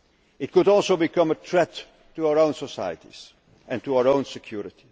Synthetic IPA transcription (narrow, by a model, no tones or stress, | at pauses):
ɪt̚kʊɾɔlˠsoʊbɨkʌ̃mətʰɹ̥ɛt | tːuaʊə˞õʊ̃nsɔsa̰jə̰tḭz̥ | ɨ̃ntuaʊə˞õʊ̃nsɨkʰj̥uɹɪti̥